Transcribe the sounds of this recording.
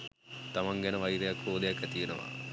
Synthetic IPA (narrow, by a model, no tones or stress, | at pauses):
t̪amaŋɡɛnəʋɐiɾejakoːd̪ejakæt̪ijenəʋa̰